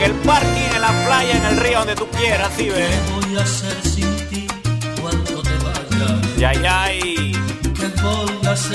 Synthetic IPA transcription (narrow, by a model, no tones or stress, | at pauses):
elpaɾkinenlaplaʝaenelrioond̪et̪ukje̞ɾasðiβeβojaseɾsint̪ikwant̪ot̪eβaʝajajaj | kekolkas